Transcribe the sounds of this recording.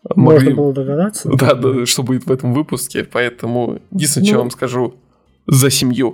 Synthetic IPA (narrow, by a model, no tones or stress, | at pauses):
mɐoʐʲɨlˠəd̪əɡɐd̪at̪sːəd̪ad̪aʂt̪o̞budʲɪt̪vɛt̪əmvɨpʊskʲɪpɐɛt̪əmʊ̰jɪdʲinsnət͡ɕvovamskɐʐu | zəsʲɪmju